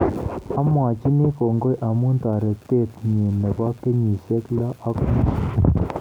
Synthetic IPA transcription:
a˦mwa˨t͡ʃi˦ni˦ko˨ŋɡo˦jʔa˨mu˦n˦ta˨ɾɛ˨te˦˨t̚ɲi˨ne˨ba˦ke˦ɲi˨se˦kla˦ʔa˦k

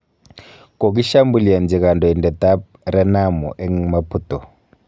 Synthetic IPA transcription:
kɔ˨k̬i˦ʃa˦mbu˨li˨a˨nd͡zi˨ka˨ndɔ˨i˨ndɛ˨ta˦p̚ | ɾɛ˦na˦mɔ̰˨ʔɛ˦ŋmapʰutɔ˨

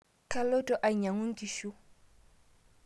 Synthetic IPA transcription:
kʰa˦lɔ˦tʼɔ˨ʔa˨i˨ɲa˨ŋʊ˦ŋ̩˦kʼi˨ʃu˦

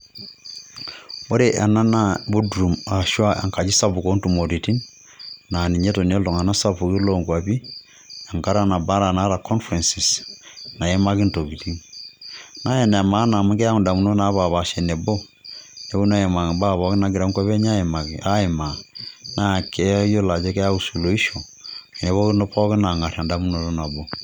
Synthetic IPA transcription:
o˦ɾe˦ʔa˨na˦na˦bu˦dɾu˨ma˨ʃwa˦a̰˨ŋka˨d͡ʒi˦sa˦βu˨ko˦ntu˨mo˨ɾi˨ti˦n | na˨ni˨ɲɛ˦to˨n˦ɛ˦lɔ˨ŋa˨na˦sa˦pu˨ɣi˦lɔ˦ŋɡwa˨βi˦ | a˨ŋka˦ɾa˦na˨ba˦ɾa˨na˦ɾa˨kʰɔ˦nfɾɛ˨nsi˨sna˨jɛ˦ma˦ɣi˦nto˨ɣi˨ti˦ŋ | na˦jɛ˨na˨ma˦na˨mu˦kɛ˦ja˦ŋu˨nda˨mu˨no˦na˨˦ba˨βa˨ʃɛ˨nɛ˨bo˦ | nɛ˨bu˦na˦˨je˨ma˨ba˦βɔ˨˦ki˦na˨ɡi˨ɾa˨˦ŋkwa˦be˦ɲa˦e˨ma˨ki˨ʔa˦e˨ma˨na˦˨ke˨˦jo˦la˨d͡ʒɛ˦kɛ˦a˦u˦su˨lo˨i˦ʃo˨ | ɛ˨nɛ˨βɔ˦ki˦no˦pɔ˦ki˦na˨ŋa˨ɾa˨nda˨mu˦no˨to˦na˨bo˨

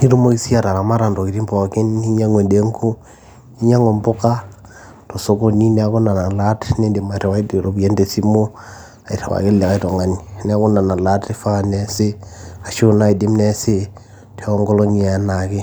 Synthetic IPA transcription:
i˦ɾu˦mo˦ki˦si˦a˨ta˨ɾa˨ma˦ɾa˨ndo˨ki˨ɾi˦mbo˨ki˦ni˦ɲa˦ŋwe˨de˨˦ŋku˦ | i˦ɲa˦ŋo˨mbo˦ka˦ | to˨so˦ko˦ni˦n˦a˦ko˦na˨na˨la˦tne˦nde˨ma˨ɾe˨wa˦i˦dɾo˨be˦nde˨si˦mo˦ | a˨i˨ɾḛ˨wa̰˨ke˦le˨ka˦i˦to˨ŋa˨ni˨ne˦a˦ku˦na˨na˨la˦te˦fa˦˨ne˦se˦a˨ʃo˦na˦i˨de˦mne˦se˦ | tʰe˨˦o˦ŋɡo˦lo˦ɲi˨a˨na˨ke˦

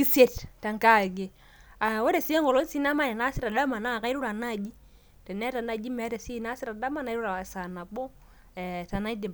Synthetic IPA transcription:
i˦se˦tta˨ŋka˦˨ɡe˨ | a˨wɔ˦ɾe˨si˦e˦ŋɔ˨lo˦n˦si˦na˦ma˦nɛ˨na˦sɪ˦ɾa˨da˦ma˨na˦˨ka˦ɪ˦ɾu˦ɾa˨na˦˨d͡ʒi˦ | tɛ˨nɛ˦ta˨na˨d͡ʒi˦mɛ˨˦ɾe˨si˦˨na˦sɪ˦ɾa˨da˦ma˦na˦ɾu˦ɾa˨sa˨na˨bɔ˦ | ɛ˨ta˨na˦i˦dɪ˨m

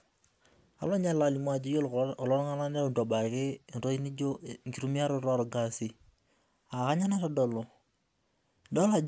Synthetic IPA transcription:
a̰˨lɔ˦ɲa˦la˨li˨ma˨d͡ʒɪ˦jo˦llɔ˦ɾŋa˦na˦na˦u˨do˨ba˨kɪ˦˨ɾo˦i˦ni˦d͡ʒo˦ŋ̩˨ki˨ɾu˦mi˦a˦ɾʊ˦ɾɔ˦ɾɡa˦si˨ | a˨ka˦ɲa˦na˦ɾa˨dɔ˨lo˨ | dɔ˦la˨

